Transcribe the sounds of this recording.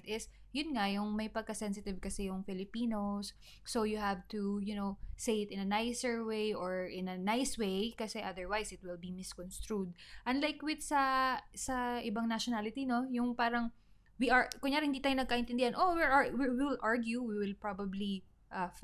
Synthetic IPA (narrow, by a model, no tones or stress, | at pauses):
t̪ɪs | jʊnŋɐjʊŋmɐjpɐɡ̚kɐsɛnsɪt̪ɪvkɐsɛjʊŋfɪlɪpiːnosː | ojʊhavt̪ujʊnowsejɪt̪ɪ̃nɐnajsɛɹwejʔoɹɪ̃nɐnajswejkɐsɛʔɐd̪ɛɹwajsɪt̪̚wɪlbimɪskɔnst̪ɹud̪̚ʔɐnlajkwɪt̪sɐsɐʔɪbɐŋnɐʃɔnalɪt̪ino̞jʊŋpaːɾɐŋ | wiʔaɹkʊŋjaːɾɪhɪnd̪iːt̪aːjʊnɐɡ̚kaʔɪ̃nt̪ɪnd̪ɪhɐnʔowɪɹʔawiwiwɪlʔaɹɡjuwiwɪlpɹabɐbli | ʔɐf